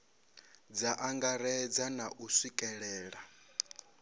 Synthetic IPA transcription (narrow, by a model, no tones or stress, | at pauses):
d͡zaʔaŋɡaɾɛd͡zanaʔusikʼɛɺɛːɺa